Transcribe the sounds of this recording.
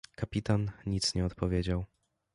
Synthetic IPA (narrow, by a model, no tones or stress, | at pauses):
kapʲit̪anɲit̪sɲɛɔt̪pɔvʲjed͡ʑaw